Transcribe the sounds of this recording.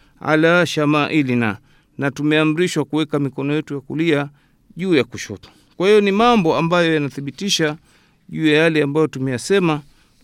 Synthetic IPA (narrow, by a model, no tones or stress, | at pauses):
a̰laʃamaːʔilina̰ | natumɛam̩ɾiʃwakuwɛkamikɔnɔjɛtujakulia | ʄuːjakuʃɔ̰tɔ̥ | kwahijɔnimambɔambajɔjanaθiɓitiʃa | ʄuːjajalɛambajɔtumɛjasɛma